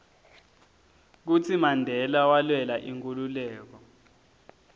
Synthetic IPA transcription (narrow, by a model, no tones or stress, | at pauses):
k̬ut͡sʰimandʱɛlawalwɛlaʔiŋkʼululɛːk̬ɔ